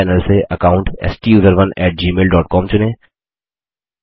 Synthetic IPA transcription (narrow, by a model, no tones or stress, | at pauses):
ɛːnəlseʔɐkaːʊ̃ɳʈɛ̰ːsʈijuːzəɾʋɐnɛːʈ̚d͡ʒiːmeːlɖɔːʈ̚kɔːmt͡ʃʊnẽː